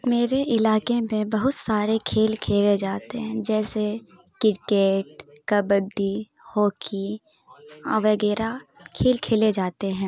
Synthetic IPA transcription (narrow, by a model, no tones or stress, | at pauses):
meːɾeʔɪlaːkemẽbɐɦʊt̪saːɾekʰeːlkʰeːled͡ʒaːt̪eɦɛ̃d͡ʒɛːse | kɪɾkeːʈ̚ | kɐbəɖi | hɔːkʰi | ɔʋɐɡɛːɾakʰeːlkʰeːled͡ʒaːt̪eɦɛ̃ː